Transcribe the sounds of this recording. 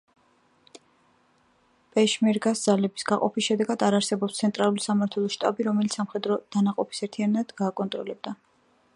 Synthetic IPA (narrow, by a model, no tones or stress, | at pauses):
pʼɛʃmɛɾɡasd̪z̥alɛbi̥sɡaqʼɔpʰisʃɛd̪ɛɡad̪aɾaɾsɛbɔpst̪sʰɛnt̪ʼɾalˠulisamaɾt̪ʰwɛlˠɔʃt̪ʼa̰biɾɔmɛlit̪ssamχɛd̪ɾɔd̪̥anaqʼɔpʰi̥sɛɾt̪ʰianad̪̥ɡaːkʼɔnt̪ʼɾɔlɛb̚d̪a